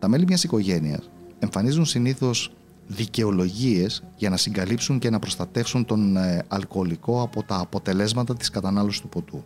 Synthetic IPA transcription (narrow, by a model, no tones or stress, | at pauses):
t̪ɐme̞limɲɐsiko̞ʝe̞niɐ̰se̞ɱfɐnizunsiniθo̞s | ðice̞o̞lo̞ʝie̞sʝɐnɐsiŋɡɐlipsuɲce̞nɐpɾo̞st̪ɐt̪e̞fsunt̪o̞nɐlko̞liko̞ɐpo̞t̪ɐːpo̞t̪e̞le̞zmɐt̪ɐt̪i̥skɐt̪ɐnɐlosi̥st̪u̥po̞t̪u